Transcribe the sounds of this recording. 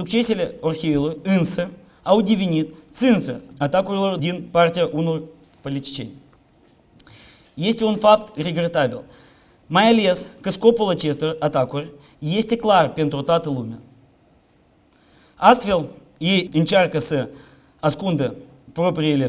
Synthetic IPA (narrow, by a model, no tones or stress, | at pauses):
sʊkt͡ʃesʲɪlʲeorxʲiilˠoɨnsɨ | aʊdʲivʲinʲit̪sɨnsɨat̪akʊrɪlˠord̪ʲinpartʲijəʔunor | polʲit̪ʲi̥t͡ʃḛnʲ | jesʲtʲunfakt̪rʲeɡɾʲet̪abʲɪ̰lʲˠ | majalʲeskɨskopəlˠət͡ʃest̪ɨrat̪akurʲ | jesʲtʲɪklˠarpʲent̪ɾot̪at̪ɨlˠumʲə | ast̪vʲelˠ | jejɨnʲt͡ʃarkəsɨ | askund̪ə | propɾʲɪelʲɪ